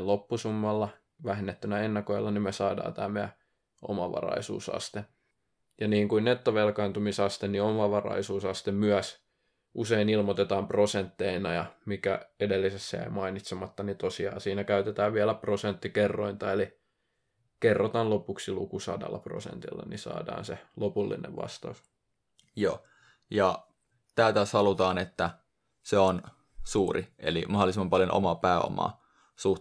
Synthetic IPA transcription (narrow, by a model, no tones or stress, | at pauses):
lopːusumːɑlːɑ | ʋæhenːet̪ːynæenːɑkoilːɑnimmesɑːdɑ̰ːt̪æmːeæ̰ | ʔo̰mɑ̰ʋɑ̰rɑ̰isṵːsɑ̰st̪e | jɑniːŋkuinnet̪ːoʋelkɑːnt̪umisɑst̪enniomɑʋɑrɑ̰isuːsɑst̪emmyæs | ʔuseinilmot̪et̪ɑːmprosent̪ːeinɑjɑ̰mikæ̰edelːisesːæ̰ḛmɑinit̪semɑt̪ːɑnit̪osiɑ̰ːsiːnækæyt̪et̪æːʋʋiælæprosent̪ːikerːoint̪ɑeli | kerːot̪ɑnlopuksilukusɑ̰dɑ̰lːɑpro̰sḛnt̪ilːɑ̰nisɑ̰ːdɑ̰ːnselopulːḭnḛʋʋɑ̰st̪ɑus | jo̰ː | jɑ | t̪æːt̪æsɑlut̪ɑːnet̪ːæ | seon | suːriʔḛlimɑholisemːɑmpɑljonʔo̰mɑpæːo̰mɑ̰ː | su